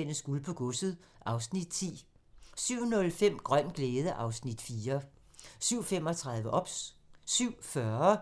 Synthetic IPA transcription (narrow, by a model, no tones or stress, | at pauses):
en̰əsɡ̥ulpʰɒ̽ɡ̥ɔsð̩ˠ | ʔɑ̈ʊsnid̥t͡sʰḭː | syʊ̰nɔ̽lfem̰ɡ̥ʁɶn̰ɡ̥leːðˠəʔɑ̈ʊsnid̥fiːɐ | syʊ̰fem̰ɒt͡sʰʁɑ̈ðˠʋəʔɒ̽b̥ssyʊ̰fɶɐ